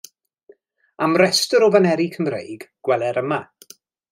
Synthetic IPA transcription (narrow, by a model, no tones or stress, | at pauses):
amrɛstəɾɔvanɛɾikʰəmrḛjɡɡ̥wɛlˠɛɾəma